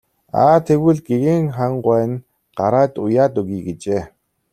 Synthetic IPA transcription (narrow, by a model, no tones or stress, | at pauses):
a̰ːt̪ʰeɣɘ̆ɮɡeɣeŋχaɴɢwæːn | ɢ̥aɾaːt̪ʊjaːt̪ɵɣiːɡet͡ɕeː